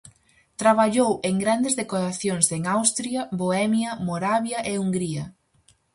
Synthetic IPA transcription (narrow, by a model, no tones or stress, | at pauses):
t̪ɾaβaʎoweŋɡɾand̪ezðekoɾaθjoŋseŋawst̪ɾjɐβoɛmjɐmoɾaβjɐʔeuŋɡɾiɐ